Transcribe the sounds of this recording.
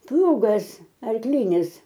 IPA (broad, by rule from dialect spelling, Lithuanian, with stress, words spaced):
ˈplˠuːɡɐs ɐrkˈlʲiːnʲɪs